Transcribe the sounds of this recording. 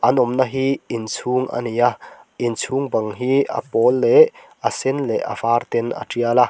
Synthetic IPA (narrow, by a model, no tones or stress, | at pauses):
ʔɐnɔmnaɦiɪnt͡sʰuːŋʔa̰nijaʔɪnt͡sʰuːŋbɐŋɦiʔɐ̰pɔːlːɛʔ | ɐsɛnlɛʔɐ̰faːrt̪ɛna̰ʈ͡ʂiala